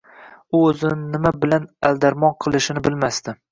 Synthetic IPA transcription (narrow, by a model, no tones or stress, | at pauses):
ʊɵzɪnɪnɪmabɪlanalˠd̪aɾmɒnqʰɨlˠɪʃɪnɪbɪlmast̪ɪ